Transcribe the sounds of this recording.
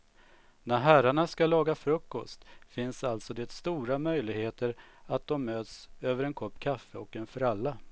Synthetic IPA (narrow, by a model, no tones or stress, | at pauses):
næɾɦæɾaɳaskalɑːɡafɾɵkːɔst̪fɪnsalt̪sɔd̪ɛt̪st̪uːɾamœjlɪɡheːt̪əɾ | at̪̚d̪ɔmːøːt̪søːvəɾɛnkʰɔpːkʰafːəɔkɛnfɾalːa